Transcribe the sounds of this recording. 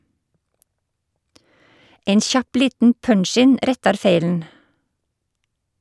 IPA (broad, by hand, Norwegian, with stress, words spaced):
ˈeɪn ˈçɑp ˈliːtn̩ ˈpœɳˌʃɪn ˈʔɾɛtɑɾ ˈfeɪln̩